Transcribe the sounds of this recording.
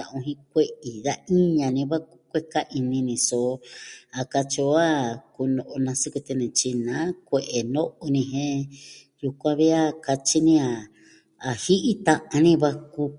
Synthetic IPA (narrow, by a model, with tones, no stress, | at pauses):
a˧˨ũ˧ɦĩ˧kʷe˦ʔi˨ða˦i˦ɲã˧nĩ˧βa˦ku˧kʷe˦ka˦ʔi˧nĩ˧nĩ˧so˨˧˨a˨˧ka˧t͡ʃi˧o˦a˦ku˧nõ˧ʔo˧nã˧su˦ku˧t̪e˧nẽ˨t͡ʃi˧nã˨˦kʷe˧˨ʔe˨nõ˦ʔo˧nĩ˧ɦẽ˦ | ju˧kʷã˧βi˦a˦ka˧t͡ʃi˦nĩ˦a˨ | a˨hi˦ʔi˦t̪ã˧ʔã˧nĩ˦βa˦ku˧